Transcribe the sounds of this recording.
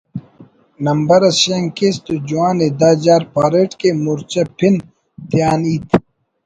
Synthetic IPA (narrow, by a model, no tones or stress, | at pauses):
nɐmbɐɾɐsɕeŋkest̪ud͡ʑuaːned̪aːd͡ʑaːɾpaːɾeʈkemuɾt͡ɕɐpʰin | t̪jaːniːt̪ʰ